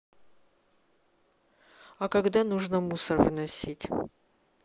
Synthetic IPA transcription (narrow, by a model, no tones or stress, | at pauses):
akaɡd̪anuʐnəmusərvɨ̰nɐsʲitʲ